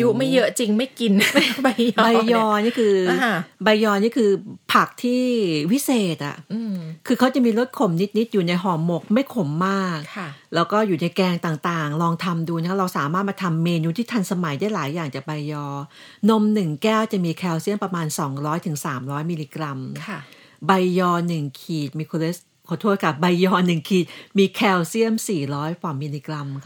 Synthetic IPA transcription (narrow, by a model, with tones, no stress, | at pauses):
ju˦˥ma˥˩jːɤ˦˥ʔt͡ɕi˧ŋma˥˩jki˧n˥˩ba˧jba˧jːɔː˧niː˥˩kʰɯː˧˩ba˧jːɔː˧niː˦˥˩kʰɯː˧pʰa˨˩k̚t̪ʰiː˥˩pʰi˦˥seː˨˩t̪̚ʔa̰˨˩kʰɯː˧kʰa˦˥wt͡ɕa˨˩miː˧ɾo˦˥t̪̚kʰo˨˩mni˦˥t̪̚ni˦˥t̪̚juː˨˩na˧jɦɔː˩ŋːo˨˩k̚ma˥˩jkʰo˩˦mːaː˥˩k̚kʰlɛː˦˥wkɔː˥˩juː˨˩na˧jkɛː˧ŋt̪aː˨˩ŋt̪aː˨˩ŋlɔː˧ŋt̪ʰa˧mduː˧na˥˦˥ɾa˧wsaː˨˩˦maː˥˩t̪̚maː˧t̪ʰa˧mːeː˧nuː˦˥t̪ʰiː˥˩t̪ʰa˧nsa˧ma˨˩˦jdaː˥˩jlaː˨˩˦jːaː˨˩ŋt͡ɕaː˨˩k̚ba˧jːɔː˧ | no˧mnɯ˨˩ŋkɛː˥˩wt͡ɕa˨˩miː˧kʰɛː˧wsi˥˩əmpɾa˧maː˧nsɔː˩˦ŋɾɔː˦˥jt̪ʰɯ˩˦ŋsaː˩˦mɾɔː˦˥jmiː˧liː˧kɾa˧mʰ˩ | ba˧jːɔː˧nɯ˨˩ŋkʰiː˨˩t̪̚miː˧kʰo˧leː˦˥s | kʰɔ˧˩t̪ʰu˥˩t̚ka˨˩p̚ba˧jːɔː˧nɯ˨˩ŋkʰiː˨˩t̪̚miː˧kʰɛː˧wsi˥˩əmsiː˨˩ɾɔː˦˥jkʰaː˨˩˦miː˧liː˧kɾa˧m